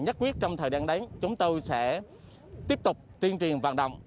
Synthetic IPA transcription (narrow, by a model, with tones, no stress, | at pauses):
ɲə˦˥t̚kwi˦˥ət̚t͡ɕɔ˧wŋ͡mt̪ʰəː˨˩jɗa̰ː˧˩ŋɗa˨˦ŋt͡ɕʊ˨˦ŋ͡mt̪o˧jsɛ̰˧˥ | t̪i˦˥əp̚t̪ʊ˨˩k͡p̚t̪i˧ənt͡ɕwi˨˩ənva̰ː˧˨nɗə̰˧˨wŋ͡m